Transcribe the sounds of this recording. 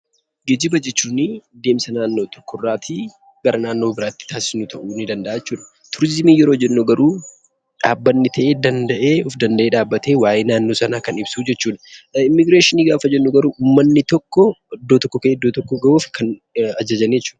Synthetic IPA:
ɡed͡ʒɪbɐd͡ʒɛt͡ʃːuːnɪd̪e̞ːmsɐnaːnːoːt̪ɔ̥kːɔrːaːt̪i | ɡ̥ɐɾɐnaːnːo̞ːbɪɾaːt̪ːɪ̥t̪aːsɪ̥snʊt̪ʰɐʔuːnɪd̪ɐnd̪ɐʔaːɛt͡ʃːuːᶑɐ̥ | t̪ʰʊɾɪzɪmiːjɛɾoːɐd͡ʒɛnːuɡɐɾuː | ᶑaːbːɐnːɪt̪ʰɐʔe̞ːd̪ɐnd̪ɐʔe̞ːɔfd̪ɐnd̪ɐʔe̞ːᶑaːbːɐt̪eːwaːjeːnaːnːo̞ːsɐnaːkɐnɪbsuːd͡ʒɛt͡ʃːuːᶑɐ̥ɪmːɪɡɾeːʃɪniːɡaːfɐd͡ʒɛnːuɡɐɾuːʔuːmːɐnːɪt̪ɔkːɔd̪ːoːt̪ɔkːɔkeːd̪ːoːt̪ɔkːɔɡɐoːfkʰɐnɐd͡ʒɐd͡ʒɐnɛt͡ʃːuːᶑɐ̥

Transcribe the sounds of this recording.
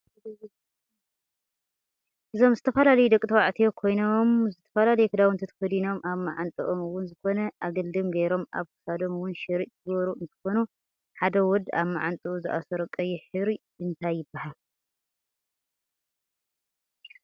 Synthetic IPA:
ʔɨzo̞mzɨt̪ʰɐfɐlalɐjud̪ɐkʼit̪ʰɐwaʕt̪ʰijokʰo̞jnomzɨt̪ʰɐ̥fɐlalɐjɛkʰɨd̪awnt̪ʰɐt̪ʰɐ̥fɐd̪ino̞mʔaβmaʕant̪ʼɨʔomɨwʊnzɨko̞nɐʔaɡɐld̪ɨmɡɐjɾo̞mʔa̰βkʰɨ̥sad̪o̞mɨwʊnʃɨɾiʔt̪ʰɨβɐɾuɨnt̪ʰɨ̥xo̞nu | ħad̪ɐwɔd̪a̰βmaʕant̪ʼɨʔuzɨʔa̰sɔɾɐkʼɐjɛħɨβɾi | ɨnt̪ʰajːɪbːahal

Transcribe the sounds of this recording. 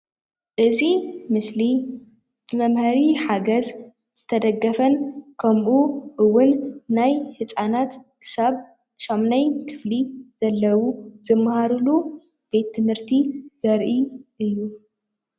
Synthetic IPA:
ʔɨzimɨsli | mɐmhɐɾiħaɡɐz | z̥ɨt̪ʰɐd̪ɐɡːɐfɐnkʰɐmʔuʔɨwːʊnːajhɨt͡sʼanat̪kʰɨ̥saβ | ʃomnɐjkʰɨ̥fliz̥ɐlːɐwuzɨmːhaɾulu | b̥e̞t̪ʰːɨmhɨɾt̪ʰizɐɾʔiʔɨjːu

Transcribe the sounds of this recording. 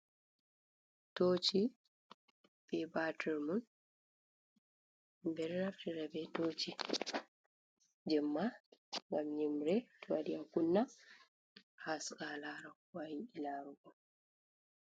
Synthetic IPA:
toːt͡ʃi | b̥ɛbatiɾmɔn | mbɛɾːaftiɾɛbɛtoːt͡ʃi | d͡ʒɛmːaŋɡamɲimɾɛtuwadiakunːa | haskalaɾakwajiilaɾuɡɔ

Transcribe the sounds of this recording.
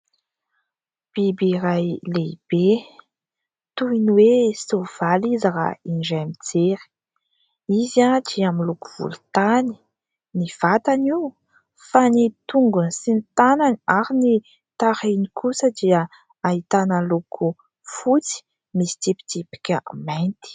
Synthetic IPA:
b̥ibiɾajleib̥e | t̪uiniwesov̥alizɾa̰inɖ͡ʐamit͡seɾi̥ | izaʈ͡ʂiaminlukuv̥ṵlu̥t̪ani̥ | niv̥at̪ani | fanit̪uŋɡunisint̪ananaɾini | t̪aɾenikʰusəd̪iə | ait̪anəlukʰu | fut͡si̥ | misi̥t̪ipi̥t̪ipi̥kʲə̰majnt̪i̥

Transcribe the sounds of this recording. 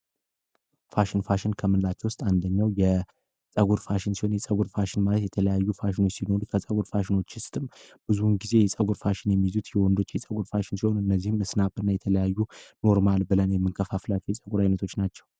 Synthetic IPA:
faʃɪnfaʃɪnkʰəmɨnlat͡ʃːɛwʊst̪ʼand̪əɲːawjɛ | sʼəɡuɾfaʃɪnsiho̞njɛsʼəɡuɾfaʃɪnmalət̪jɛt̪ʰələjajːufaʃɪnot͡ʃːsino̞ɾukʰəsʼəɡuɾfaʃɪno̞t͡ʃːɪst̪ʰʼɨmb̥ɨzunɡize̞jɛsʼəɡuɾfaʃɪnjɛmːizut̪jɛwɔnd̪o̞t͡ʃːjɛsʼəɡuɾfaʃɪnsiho̞nɨnːəzːihɨmːɨsnapɨnːajɛt̪ʰələjajːuno̞ɾmalbɨlənjɛmːɨŋkʰəfaflat͡ʃːwjɛsʼəɡuɾajnət̪ʰo̞t͡ʃːnat͡ʃːɛw

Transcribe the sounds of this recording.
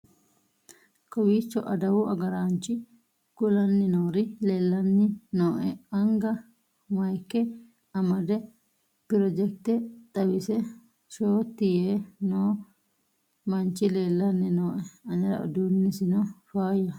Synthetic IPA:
kɔwiːt͡ʃːɔʔɐd̪ɐwʊʔɐɡɐɾaːnt͡ʃɪ | kʊlɐnːɪnoːɾɪleːlːɐnːɪnoːʔɛɐŋɡɐ | mɐjkːɛ | ɐmɐd̪ɛ | pɪɾɔd͡ʒɛk̚t̪ɛt̪ʼɐwɪsɛ | ʃoːt̪ːɪjeːnoː | mɐnt͡ʃːɪleːlːɐnːɪnoːʔɛɐɲɐɾɐ̰ɔ̰d̪unːɪsɪnɔfaːjɐ

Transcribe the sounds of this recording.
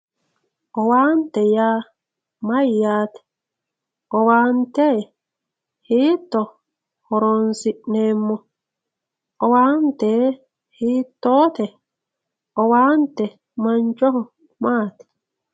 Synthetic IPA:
ʔɔwaːntɛja | majjaːt̪ɛ̥ | ʔɔwaːntɛ | hitːɔ | hɔɾɔnsinɛmːɔ | ʔɔwantɛ | hitːɔt̪ɛ | ɔwantɛ | maɲt͡ʃɔhɔ | maːt̪ɛ̥

